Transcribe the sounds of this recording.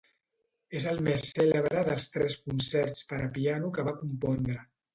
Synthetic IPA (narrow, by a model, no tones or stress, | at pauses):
ezəlˠmesːɛləβɾəðəlˠst̪ɾɛskunsɛɾspəɾəpianukəβakumpɔnd̪ɾə